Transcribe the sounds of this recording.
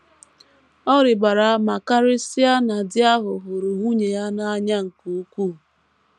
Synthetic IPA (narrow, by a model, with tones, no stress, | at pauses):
ɔ˦ɾɪ˨ɡ͡ba˨ɾa˨a˦ma˨ka˦ɾɪ˦sɪ˦a˦na˨dɪ˦a˦ɦʊ˨ɦʊ˨ɾu˨ɦu˦ɲe˨ja˦na˦a˦ɲa˦ŋ̩˨ku˨u˦ku˦˨